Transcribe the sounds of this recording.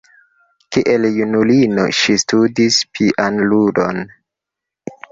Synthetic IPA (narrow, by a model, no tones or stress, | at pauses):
kiʔeljunulino̰ʃistudispʰiʔanludon